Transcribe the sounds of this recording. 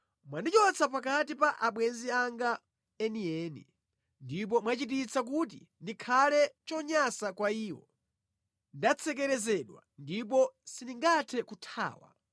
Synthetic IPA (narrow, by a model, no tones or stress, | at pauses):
mwandit͡ʃɔt͡sʰapakat̬ipaʔaɓwɛnziaŋɡa | ɛniɛːnḭ | ndip̬ɔmwat͡ʃit̬it͡sak̬ut̬i | ndikʰalɛt͡ʃɔɲasakwaiːwɔ̰ | ndat͡sʰɛkɛɾɛzɛɗwa̰ndip̬ɔsiniŋɡatʰɛkutʰa̰ːwa̰